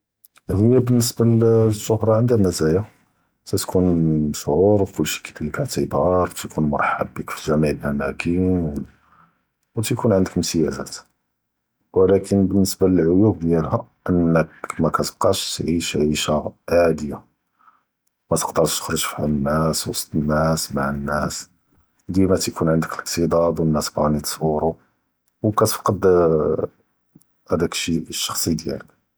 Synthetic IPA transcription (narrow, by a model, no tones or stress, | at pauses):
həjːæbənːəsbælzːʊhɾˤɑʕənd̪æmæzæja | t̪æt̪kʰunʃʕuɾwkʊlːʃi̥kælilːkaʕt̪ibɑɾˤt̪kunmɑ̰ɾˤħa̰bːəkfilʒæmiʕəlʔæmækim | wt̪kunʕənd̪əkmsəjædæ̰t̪ | wəlækʰənbənːəsbaləlʕʊjub̚d̪jælhæʔənːəkmækæt̪əb̥̚qɑʃt̪ʕiʃʕiʃaʕad̪əja | mæt̪ə̥qd̪əɾʃt̪ə̥xɾˤoʒfihænːæswɑsˤt̪ˤənːæsmaʕənːæs | d̪mæt̪kʰunʕənd̪əkləqt̪id̪ˤɑd̪wənːæsbɑnit̪swuɾu | wkæt̪əfqɑd̪ | hæd̪ækʃiʃːɑ̥xsˤid̪jæ̰lək̚